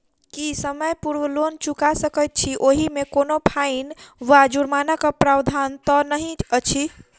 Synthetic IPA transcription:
kisəməjpuɾwəlont͡ʃukasəkəjt̪̚t͡ʃʰiʔoɦimekonopʰainʋad͡ʒuɾmanakəpɾawd̪ʱant̪ɔnəɦĩət͡ʃʰi

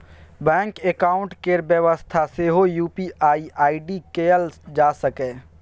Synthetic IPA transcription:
bɛ̃ːŋkekaːʊ̃ɳʈkeɾbjəʋəst̪ʰaseːɦojuːpiʔaːiʔaːiɖikejəld͡ʒaːsəkɛ̃ː

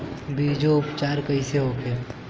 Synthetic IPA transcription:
biːd͡ʒoʊpt͡ʃaːɾkəiseɦoːkʰeː

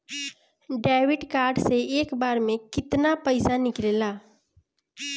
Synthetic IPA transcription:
ɖɛːwɪʈkaːɾɖseeːkbaːɾmẽkɪt̪napəɪsanɪkleːlaː

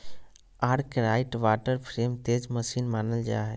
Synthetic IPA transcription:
aːɽkɾaːɪʈʋaːʈəɾpʰɾeːmt̪eːd͡ʒməsiːnmaːnəld͡ʒa̰ɦɛ

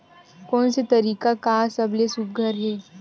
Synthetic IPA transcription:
kɔːnset̪ɐɾiːkakasɐblesuːp̚ɡʱəɾɦɛː

